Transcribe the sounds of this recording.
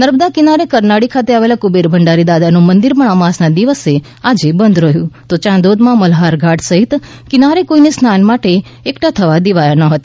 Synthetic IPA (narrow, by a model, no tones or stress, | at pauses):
nəɾbd̪akinaɾekəɾnaɽikʰat̪eaʋelakubeɾbʱəɳɖaɾid̪ad̪anõmənd̪iɾməɽ̃amãsnad̪iʋəse | ad͡ʒebənd̪ɾəɦjũt̪ot͡ʃãnd̪od̪mãməlɦaɾɡʱaʈsəɦit̪ | kɪnaɾekoinesnanmaʈeː | kʈat̪ʰəʋad̪iʋajanəɦət̪ḁ